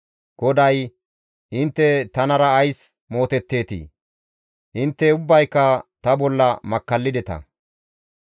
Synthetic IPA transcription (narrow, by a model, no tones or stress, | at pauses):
ɡ̥ɔd̪ɐj | ʔɪnt̪ːɛt̪ɐnɐɾɐːjs | mo̞ːt̪ɛt̪ːe̞ːt̪ḭː | ʔɪnt̪ːɛʊbːɐjkːɐt̪ɐbɔlːɐmɐkːɐlːɪd̪ɛt̪ɐ̰